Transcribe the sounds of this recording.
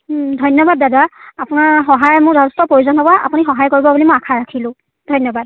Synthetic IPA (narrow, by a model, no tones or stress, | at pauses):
dʱɔjnɔbadːadaapʊnaɹxɔɦajmʊɹdɔɔstɔpɹojuzɔnɦɔbaa̰punixɔɦajkoɹibɔbulimʊjakʰaɹakʰilʊ̃ | dʱɔjnɔbad̚